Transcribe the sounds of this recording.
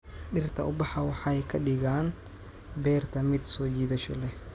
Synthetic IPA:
ɗɪrt̪ʰɐʔʊbɑħɑwɑħɑjkʰɐɖɪɣaːn | bɛːrt̪ʰɐmɪd̪sɔːt͡ʃiːðɐʃɐlɛ

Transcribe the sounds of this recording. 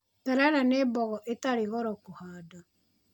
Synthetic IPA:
taɾaɾaneːbɔɣɔʔetaɾeɣɔɾɔkohaːda

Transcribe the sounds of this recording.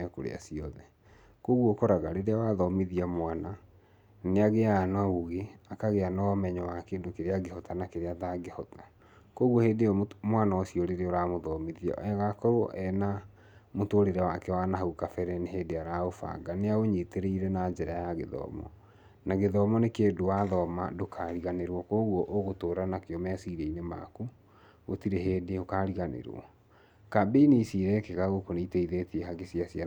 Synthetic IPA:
ɛko̰ɾḛa̰siɔðɛ | koɣwɔkoɾaɣaɾeɾeawaðɔmiðiamwana | neaɣeanauɣeakaɣeanɔmɛɲɔwakeːndokeɾeaɡehɔtanakeɾeataɡehɔtḁ | koɣɔheːdeɔmwanawɔsiɔɾeɾeɔɾamoðɔmiðiɔ̰ʔɛɣakɔɾoʔɛna | motoɾeɾɛwakɛwanaɦukafɛɾɛneɦeːdeaɾaofa̰ɡaneaɣoɲeteɾeiɾɛnad͡ʒɛɾajaɣḛðɔ̰ːmɔ̰ | naɣeðɔːmɔnekeːdowaðɔmadokʰaɾiɣaneɾwɔkoːɣwɔʔoɣotoːɾanakeɔmɛasiɾeinema̰ku | ɣo̰tiɾeɦeːdeokaɾiɣanḛɾɔ̰ | kabeinisiɾɛkeɣaɣokoneitɛiðetiɛɦaɡesiasia

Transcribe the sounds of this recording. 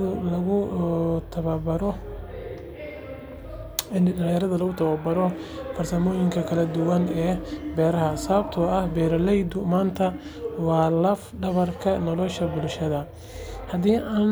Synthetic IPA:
ʊlɐɣʊt̪ʰɐβɐbɐɾɔ | ɪnɖɐljɐɾɐðɐlɐɣʊt̪ʰɐβabɐɾɔfɐrsɐmɔːjɪŋkʰɐkʰɐlɐd̪ʊwɐnɛːbɛːɾɐɦɐsɐβɐbt̪ʰʊɐhbɛːɾɐlɛjd̪ʊmaːnt̪ʰɐwɑːlɐfɖɐβɐrkʰɐnɔlɔʃɐbʊlʃɐðɐ | hɐd̪iːʔaːn

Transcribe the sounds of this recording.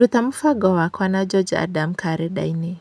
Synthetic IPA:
ut̪amufaɡɔwakwanad͡ʒɔd͡ʒa̰damkʰaɾɛɗa̰jnɛ

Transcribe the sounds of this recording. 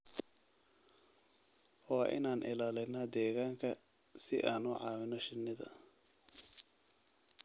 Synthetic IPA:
wɑːʔɪ̰naːnʔɪ̰laːlɪnɐd̪ɛːɣaːŋkʰɐ | sɪʔaːnʊʕɑːwɪnɔʃɪnːɪðɐ̰

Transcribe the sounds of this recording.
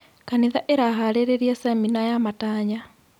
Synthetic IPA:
kaniðaʔeɾaɦaɾeɾeɾjasɛminajamataːɲa

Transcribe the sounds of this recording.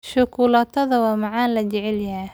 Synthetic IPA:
ʃʊkʰuːlaːt̪ʰɐðɐwɑːmɑʕɑːnlɐt͡ʃɛʕɛljɐɦɛ

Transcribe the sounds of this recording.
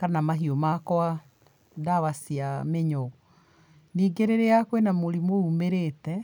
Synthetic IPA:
kanamaɦiomakɔa | daβasiameɲɔ | niːɡeɾeɾeakwenamoɾimoumeɾeːtɛ

